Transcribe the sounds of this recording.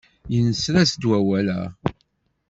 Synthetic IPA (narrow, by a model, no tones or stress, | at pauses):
jənəsɾæsd̪wæwælæ̰